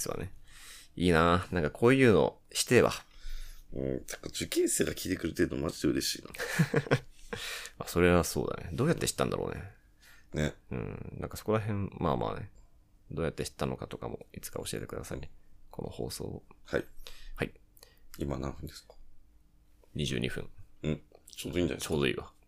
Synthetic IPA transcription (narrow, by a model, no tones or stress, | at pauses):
sɨβa̰neiːnanãŋkakʰo̞ːjɯ̟ːno̞̰ | ɕi̥t̪eβa̰ | ɯ̃naŋkad͡ʑɨkʲĩɰseːɡakʲʰit̪ekɯ̟ɾɯ̟t̪eːd̪omad͡ʑid̪eɯ̟ɾe̞ɕiːna | aso̞ɾe̞βaso̞̰ːd̪a̰ned̪o̞ːjat̪ːe̞ɕi̥t̪ːã̰nd̪aɾoːne | neɯ̟̰̃ɴnʔã̰ŋkaso̞ko̞ɾaɦẽ̞ɴmaːmʔa̰ːne̞ | d̪o̞ːjat̪ːe̞ɕi̥t̪ːano̞kat̪okamo̞it͡sɨ̥kao̞ɕie̞t̪e̞kd̪asaḭkʰo̞noho̞ːso̰ːhaihaiimanãɸɯ̟̃nd̪esɨ̥kḁ | ɲ̟iʑɨ̰ːɲʔiɸɯ̟̰̃ŋɴɯ̃ɴt͡ɕoːd̪oĩnd̪a̰t͡ɕoːd̪o̞ḭːβa